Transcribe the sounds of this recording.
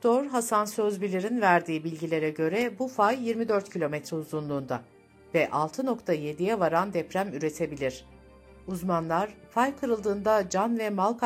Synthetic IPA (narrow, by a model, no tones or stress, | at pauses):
d̪̥oɾɦasansøzbilʲiɾinvæɾd̪iːbilʲɟilʲe̞ɾɛɟø̞ɾɛbufajːiɾmid̪øɾt̪cʰilʲo̞mɛt̪ɾɛuzunlˠuːnd̪a | vɛʔalˠt̪ʰɯno̞kt̪ʰaje̞d̪ijɛvaɾand̪ɛpɾæmyɾe̞t̪ʰe̞bilʲiɾ̥ | uzmanlˠaɾfajkʰɯɾɯlˠd̪ɯːnd̪ad͡ʒanvɛmalˠkʰ